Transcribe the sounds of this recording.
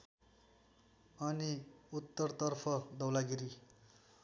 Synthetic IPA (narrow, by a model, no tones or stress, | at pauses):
ʌniut̪ːʌrt̪ʌrpʰʌd̪ʌwlaɡiɾi